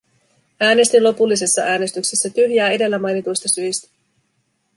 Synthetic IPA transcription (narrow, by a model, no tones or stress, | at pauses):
ʔæːne̞st̪inlo̞pulːis̬e̞sːɑʔæːnest̪yksesːæt̪yhjæːe̞de̞lːæmɑjnit̪ujst̪ɑsyjst̪æ̥